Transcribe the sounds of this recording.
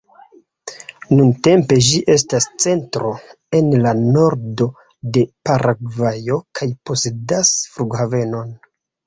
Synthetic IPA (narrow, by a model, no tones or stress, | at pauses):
nunte̞mpe̞ʒiʔe̞s̬tast͡se̞ntɾo̞ | e̞nlano̞ɾdo̞ | de̞paɾʔaɡvajo̞kʰajpo̞sedasfluɡhave̞no̞n